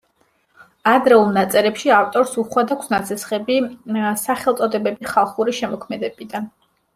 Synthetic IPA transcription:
ad̪ɾɛulˠnat̪sʼɛɾɛpʃiaft̪ʼɔɾsuχwad̪akʷʰsnat̪sʰɛsχɛbisaχɛlˠt̪sʼɔd̪ɛbɛbiχalˠχuɾiʃɛmɔkʰmɛd̪ɛbid̪an

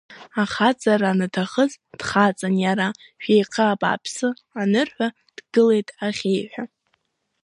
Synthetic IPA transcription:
aχat͡sʼaranatʰaχəzd̥χat͡sʼanjaɾa | ʃᶣejqʰəapʼa̰pʰsɨ | anɨrħʷᶣa | d̥ɡɨle̞jtʼaχʲe̞jħʷᶣa

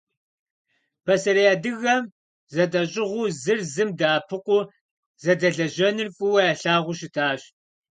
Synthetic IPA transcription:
pʰɐsɐɾijaːdɨɣɐm | zɐtʼɐɕʼɪʁʷʊzɨrzɨmdaːpʰɨqʷʊ | zɐdɐɮɐʒɐnɨrfʼʊwɐjaːɬaːʁʷʊʃɪtʰaːɕ

